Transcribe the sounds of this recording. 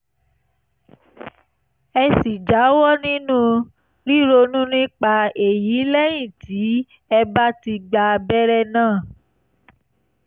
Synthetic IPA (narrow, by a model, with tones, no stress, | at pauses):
ɛ˧si˨d͡ʒa˨˦wɔ˦nĩ˦nũ˦ | ɾi˦ɾo˧nũ˦nĩ˦k͡pa˧e˨ji˨˦lɛ˦j̃ĩ˦˨tʰi˨˦ | ɛ˧ba˦ti˧ɡ͡ba˧bɛ˦ɾɛ˦nãː˦˨